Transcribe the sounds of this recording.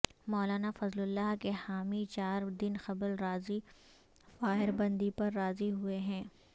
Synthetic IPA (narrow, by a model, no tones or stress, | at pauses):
mɔːlaːnafɐzlʊlːaɦkehaːmit͡ʃaːɾd̪ɪnxɐblɾaːzi | faːɦɪɾbɐ̃nd̪ipɐɾːaːziɦueɦɛ̃ː